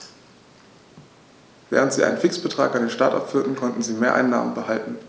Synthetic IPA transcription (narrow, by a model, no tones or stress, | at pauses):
vɛ̰ːʁ̞əntz̥iːa̰ɪnənfɪksb̥ətʁ̥aːkandeːnʃtaɐtʔa̰pfyːɐtn̩kʰɔntn̩ziːmeːɐʔa̰ɪnːa̰ːmənbəhaltn̩